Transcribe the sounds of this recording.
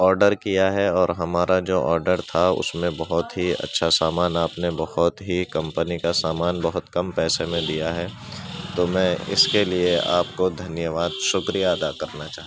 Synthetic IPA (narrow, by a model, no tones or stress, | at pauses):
ɔːɾɖəɾkijaɦɛɔːɾɦɐmaːɾad͡ʒoːʔɔːɾɖəɾt̪ʰaʊ̰smẽbɐɦʊt̪ɦiɐ̰tːʃʰasaːmaːnaːpnebɐɦʊt̪ɦikɐ̃mpənikasaːmaːnbɐɦʊt̪kɐmpɛːsemẽd̪ijaɦɛ | t̪omɛ̃ːɪ̰skeliea̰ːpkod̪ʱɐnjəʋaːd̪ʃʊkɾijaɐd̪akɐɾnat͡ʃaːɦ